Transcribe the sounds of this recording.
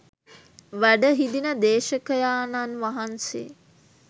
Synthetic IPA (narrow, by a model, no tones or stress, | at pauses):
ʋæɖəɦid̪inəd̪eːʃəkəjaːnanʋaɦansḛː